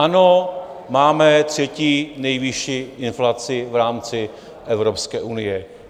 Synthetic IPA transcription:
anomaːmɛt̪r̝̥ɛciːnɛjvɪʃiːʔɪnflat͡sɪvɾaːmt͡sɪ | ʔɛvɾopskɛːʔunɪjɛ

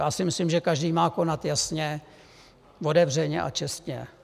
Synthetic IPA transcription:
jaːsɪmɪslɪmʒɛkaʒdiːmaːko̞nat̪jasɲɛ | vo̞dɛvr̝ɛɲɛ̰ʔa̰t͡ʃɛst̪ɲɛ̰

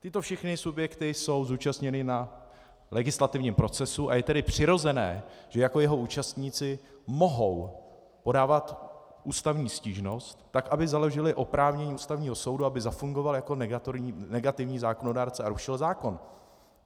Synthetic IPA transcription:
t̪ɪt̪o̞fʃɛxnɪsubjɛkt̪ɪso̞wzuːt͡ʃast̪ɲɛnɪna | lɛɡɪslat̪ɪvɲiːmpɾo̞t͡sɛsuʔa̰jɛt̪ɛdɪpr̝̥ɪɾo̞zɛnɛ̰ːʒ̥ɛjako̞jɛɦo̞ʔuːt͡ʃast̪ɲiːt͡sɪ | mo̞ɦo̞w | po̞daːvat̪ | ʔuːst̪avɲiːsciːʒno̞st̪ːakʔabɪzaloʒɪlɪʔo̞pɾaːvɲɛɲiːuːst̪avɲiːɦo̞so̞wduabɪzafuŋɡo̞valjako̞nɛɡat̪ɾnɛɡat̪ɪvɲiːzaːko̞no̞daːɾt͡sɛaɾuʃɪlzaːko̞n

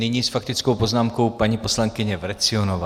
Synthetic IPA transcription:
nɪɲiːsfak̚t̪ɪt͡skowpoznaːmko̞wpaɲiposlaŋkɪɲɛvɾɛt͡sɪonova

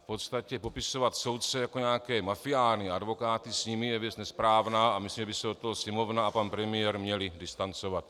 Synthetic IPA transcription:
fpo̞t̪st̪acɛpo̞pɪso̞vat̪so̞wt̪̚t͡sɛjako̞ɲaːkɛːmafijaːlɲiʔadvo̞kaːt̪ɪsɲimɪjɛvjɛt͡snɛspɾaːvnaːʔamɪislimʒɛbɪsɛdot̪ːoɦosɲɛmo̞vnaapanpɾɛmɪjɛɾmɲɛlɪdɪst̪ant͡sovat̪

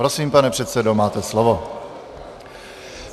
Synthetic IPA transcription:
ɾosiːmpanɛpr̥ɛt̪sɛdo̞maːt̪ɛslovo̞

